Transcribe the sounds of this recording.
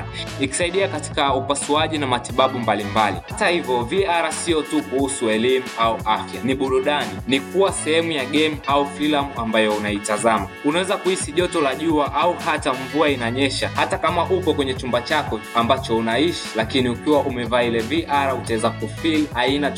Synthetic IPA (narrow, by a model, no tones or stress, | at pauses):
iki̥saiɗiakati̥kaupasuaʄinamatiɓaɓumbalimbalḭhatahivjɔviaɾasiɔtukuhusuɛlimuauʔafjaniɓuɾuɗaninikuwasɛhɛmujaɠɛmaufilamuambajɔunaitazamaunawɛzakuhisiʄɔtɔlaʄuaʔauhataɱvuainaɲɛʃahatakamaʔupɔkwɛɲɛt͡ʃumbat͡ʃakɔambat͡ʃɔunaiʃi̥lakiniukiwaʔumɛvaːilɛviʔaɾautaɛzakufilaina